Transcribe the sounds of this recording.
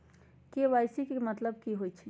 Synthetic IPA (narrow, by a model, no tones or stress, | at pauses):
keʋajsikemət̪ləb̚kiɦojt͡ʃʰi